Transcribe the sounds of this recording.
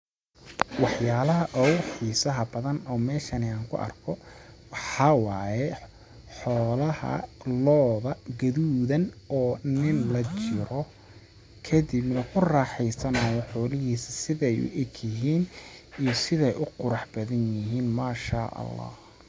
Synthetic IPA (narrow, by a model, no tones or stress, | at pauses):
wɑħjaːlɐɦɐʔɔwħiːsɐɦɐbɐðɐnɔːmɛːʃɐnɪaːŋkʰʊ̰ʔɐ̰rkʰɔwɑħɑːwaːjɛ | ħɔːlɐhɐ̰lɔːðɐɡɐðuːðɐnɔːnɪnlɐt͡ʃɪɾɔ | kʰɐðɪbnɐkʰʊrɑːħɛjsɐnaːjɔħɔːlɪɦiːsɐsɪðɛjʊ̰ʔɪkʰjɪɦiːnijɔsɪðɛjʔʊqʊɾɑħb̥ɐðɐnjɪɦiːnmaːʃa̰ːʔɐ̰lːɑ̰ːh